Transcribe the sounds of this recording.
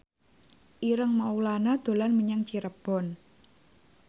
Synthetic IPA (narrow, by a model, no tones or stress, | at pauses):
ʔiɾəŋmaulanad̪̥o̤lanməɲaŋt͡ʃiɾəb̥ɔ̤n